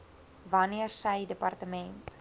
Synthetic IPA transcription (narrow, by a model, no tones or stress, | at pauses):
vɐniərsɛjdəpɐrtəmɛnt